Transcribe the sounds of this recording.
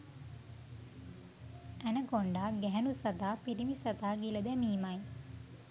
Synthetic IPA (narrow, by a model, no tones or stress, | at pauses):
ænəkoɳɖaːɡɛɦɛnusat̪aːpiɾimisat̪aːɡiləd̪ɛmiːmaj